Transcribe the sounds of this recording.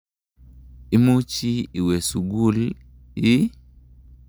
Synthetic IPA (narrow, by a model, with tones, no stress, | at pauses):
i˦mu˦t͡ʃi˦i˨we˨su˨ɡu˦l | i˦